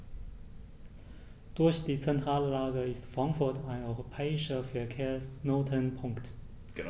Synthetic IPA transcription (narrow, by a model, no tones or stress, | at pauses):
d̥ʊɐçd̥iːt͡sɛntʁ̥aːləlaːɡəɪstfʁ̥aŋkfʊɐtʰaɪnɔʏʁopʰɛːɪʃɐfɛɐkʰeːɐsnoːtʰənpʰʊŋkt